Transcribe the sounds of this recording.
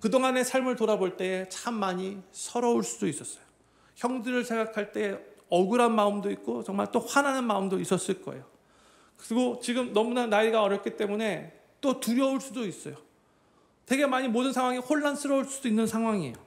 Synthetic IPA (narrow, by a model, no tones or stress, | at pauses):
kɯdoŋane̞sʰaɭmɯɭtoɾaboɭt͈e̞et͡ɕamːaɲisʰʌɾʌuɭs͈udois͈ʌs͈ʌjo̥ | çjʌŋdɯɾɯɭsʰe̞ŋɡakʰaɭt͈e̞eʌɡɯɾanmaɯmdoik̚k͈ot͡ɕʌŋmaɭt͈oɸwananɯnmaɯmdois͈ʌs͈ɯɭk͈ʌejo | kɯɾiɡot͡ɕiɡɯmnʌmunanaiɡaʌɾjʌp̚k͈it͈e̞mune̞ | t͈otuɾjʌuɭs͈udois͈ʌjo | te̞ɡe̞maɲimodɯnsʰaŋwaŋihoɭːans͈ʰɯɾʌuɭs͈udoinːɯnsʰaŋwaŋiejo